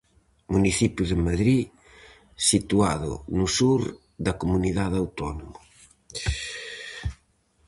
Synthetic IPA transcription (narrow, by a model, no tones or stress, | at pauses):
muniθipjʊðɪmaðɾi | sit̪uaðʊ̰nʊsuɾ | ðɐkomuniðaðawt̪ɔnomo